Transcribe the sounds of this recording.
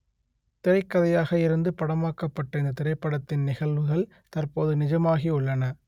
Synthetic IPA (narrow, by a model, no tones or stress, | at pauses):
t̪ɪɾɐɪkːɐðɐjaːɣɐɪɾɯnd̪ɯpɐɽɐmaːkɐpːɐʈːɐɪnd̪ɐt̪ɪɾɐɪpːɐɽɐt̪ːɪnnɪɣɐɭʋɯɣɐɭ | t̪ɐrpoːðɯnɪd͡ʒɐmaːɣiʊɭːɐnɐ